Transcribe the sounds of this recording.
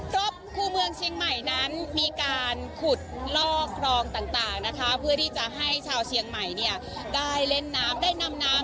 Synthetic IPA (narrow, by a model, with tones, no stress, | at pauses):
ɾo˦˥p̚kʰuː˧mɯ˧əŋt͡ɕʰi˧əŋma˨˩jna˦˥nmiː˧kaː˧nkʰu˨˩t̪̚lɔː˥˩k̚ʰɾɔː˧ŋt̪aː˨˩ŋt̪aː˨˩ŋna˦˥kʰa˦˥pʰɯ˥˩ɐt̪ʰiː˥˩t͡ɕa˨˩ɦa˥˩jt͡ɕʰaː˧wt͡ɕʰi˧əŋma˨˩jni˥˩ɐ | daː˥˩jle˦˥˩nːaː˦˥mdaː˥˩jna˧mnaː˦˥